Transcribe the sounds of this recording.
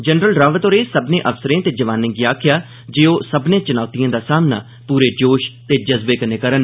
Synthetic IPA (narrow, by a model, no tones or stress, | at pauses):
d͡ʒənɾəlɾaːʋət̪oːɾeːsəbnẽːʔəfsəɾẽːt̪eːd͡ʒəʋaːnẽːɡiaːkʰɪjaː | d͡ʒeːoːsəbnẽːt͡ʃənaːʊt̪ijãːd̪aːsaːmna̰ː | puːɾeːd͡ʒoːʃt̪eːd͡ʒəzbeːkəneːkəɾən